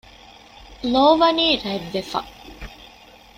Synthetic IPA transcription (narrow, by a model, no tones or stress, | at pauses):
loːʋɐniːɾɐʋːefɐ̰